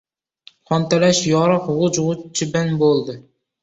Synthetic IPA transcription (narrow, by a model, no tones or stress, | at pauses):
χɑnt̪ælɛʃjɑɾɑqʁʊd͡ʒʁʊt͡ʃʰɪbænbolˠd̪ɨ